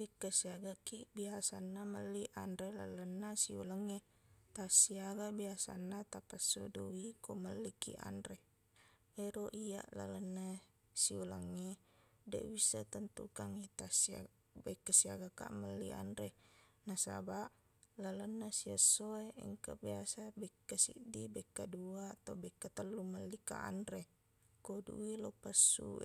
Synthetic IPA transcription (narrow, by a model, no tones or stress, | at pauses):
bikːəsiaɡakiʔbiasanːaməlːiʔanɾela̰lənːasiuləŋːe | t̪asiaɡabiasa̰nːat̪apasːo̰duikoməlːikḭʔa̰nɾe | eɾoʔija̰ʔla̰lənːa | siuləŋːe | dḛʔbisat̪ant̪ṵkaŋit̪asia̰ | bekːasiaɡaka̰ʔmalːḭa̰nɾenasa̰baʔ | lalanːasiasːoeʔə̰ŋkabiasabekːasḭʔdibekːaduat̪obekːat̪əlːumalːika̰ʔa̰nɾe | kodṵwilopasːṵ